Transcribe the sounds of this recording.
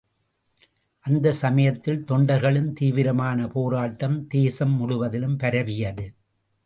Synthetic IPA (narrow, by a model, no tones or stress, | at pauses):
ʔɐnd̪ɐsɐmɐjɐt̪ːɪlt̪ɔɳɖɐɾɣɐɭɯmt̪iːʋɪɾɐmaːnɐpoːɾaːʈːɐmd̪eːsɐmːʊɽʊʋɐðɪlɯmpɐɾɐʋɪjɐðɯ